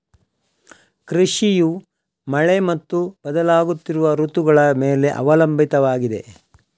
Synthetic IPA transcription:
kɾiʂiju | mɐɭe̞mɐt̪ːub̥ɐd̪ɐlaːɡut̪ːiɾuʋɐɾut̪uɡɐɭɐmeːle̞ʔɐ̰ʋɐlɐmbʱit̪ɐʋaːɡid̪e̞̰

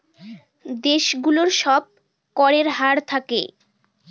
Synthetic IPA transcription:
d̪eʃɡuloɾʃɔb̚ | kɔɾeɾɦaɾt̪ʰakḛ

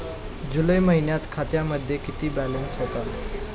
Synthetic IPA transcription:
d͡zuləjməɦinjat̪kʰat̪jaməd̪ʱːjekit̪iːbælensɦot̪al

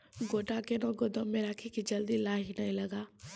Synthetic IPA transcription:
ɡoːʈakenoɡʊd̪ʱõmẽɾaːkʰikid͡ʒɐld̪ilaːɦinɐĩlɐɡaː

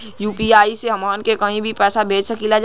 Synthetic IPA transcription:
juːpiaːiseɦɐmaːnkekɐɦĩbʱipɛːsabʱeːt͡ʃsəkilad͡ʒ

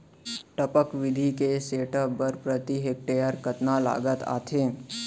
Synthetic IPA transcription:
ʈəpəkʋɪd̪ʱikeseːʈəbːəɾpɾət̪iɦek̚ʈejəɾkət̪nala̰ːɡət̪a̰ːt̪ʰeː

